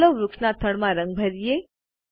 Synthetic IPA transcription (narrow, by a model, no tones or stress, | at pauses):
lõɾʊkʂnat̪ʰəɭmãɾəŋɡ̚bʱəɾije